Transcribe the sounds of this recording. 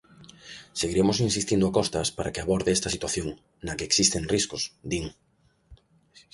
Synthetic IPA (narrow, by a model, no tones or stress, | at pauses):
seɣiɾemosinsist̪ind̪ʊakɔst̪ɐspaɾa̰keaβɔɾðeɛst̪ɐsit̪waθjoŋ | nɐkeeksist̪eŋriskʊsd̪iŋ